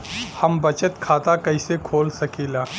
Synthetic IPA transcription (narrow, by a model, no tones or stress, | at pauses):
hɐmbɐt͡ʃət̪kʰaːt̪akɐisekʰoːlsɐkeːlaː